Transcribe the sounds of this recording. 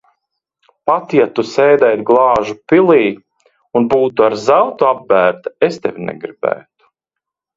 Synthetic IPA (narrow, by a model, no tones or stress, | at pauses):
pat̪jat̪usɛːd̪ɛjt̪ɡlˠɑːʒupilˠiː | unbuːt̪uaɾzawt̪uab̚bæːɾt̪aest̪ɛvʲnɛ̰ɡɾibæ̰ːt̪u̥